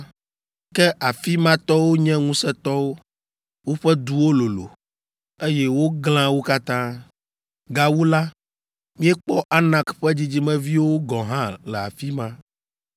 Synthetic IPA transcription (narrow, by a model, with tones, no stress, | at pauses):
kkɛ˦ʔa˨fi˦mã˦t̪ɔ˦wo˦ɲɛ̃˦ŋũ˦sɛ˦t̪ɔ˦wo˦ | wo˦ɸɛ˦d̪u˦wo˦lo˨lo̰˨ | e˦jɛ˦wo˦ɡl̃ã˦wo˦ka˦t̪ã˦ | ɡa˨wu˦la˦ | mĩ˦ɛ˦k͡pɔ˦ʔa˦nã˦kɸɛ˦d͡ʑi˦d͡ʑi˦mɛ̃˦vi˦wo˦ɡɔ̃˨ɦã˦lɛ˨a̰˨fi˦mã˦